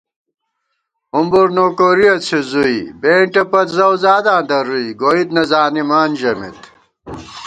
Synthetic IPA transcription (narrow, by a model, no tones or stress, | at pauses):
umbuɾnoːkoɾiɐt͡sʰizuibeːɳʈɐpɐt̪zɐwzaːd̪ãːnd̪ɐɾuiɡoːid̪nɐzaːnimaːnd͡ʑɐmḛt̪